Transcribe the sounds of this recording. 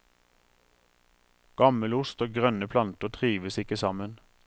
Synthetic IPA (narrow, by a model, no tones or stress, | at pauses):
ɡ̥ɑməlʊst̪oːɡʁœnəpʰlɑnt̪əʁt̪ʰʁiːʋəsɪkəsɑmən